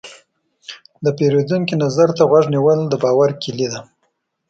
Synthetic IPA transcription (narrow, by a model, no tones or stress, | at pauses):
d̪əpeɾod̪uŋkinazaɾt̪aɣwaʐniwəld̪əbɑwaɾkɪlid̪a